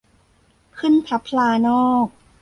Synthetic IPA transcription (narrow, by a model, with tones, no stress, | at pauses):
kʰɯ˥˨npʰa˦˥pʰːlaː˧nɔː˥˩k̚